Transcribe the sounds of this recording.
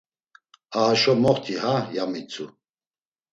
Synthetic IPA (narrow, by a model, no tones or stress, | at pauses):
aɦaʃɔmɔχt̪ʰihajamit͡sʰṵ